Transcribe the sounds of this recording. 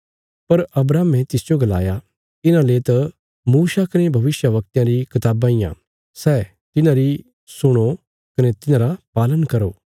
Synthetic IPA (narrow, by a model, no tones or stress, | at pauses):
pɐɾɐbɾaːmẽt̪ɪsd͡ʒoɡɐla̰ːja | ɪnãlet̪ɐ | muːsakɐnebʱɐʋɪsjəʋɐk̚t̪jãɾikʰɐt̪aːbãːɪjã̰ | sɛː | t̪ɪnãɾi | sʊɽ̃o | kɐnet̪ɪnãːɾapaːlənkɐɾoː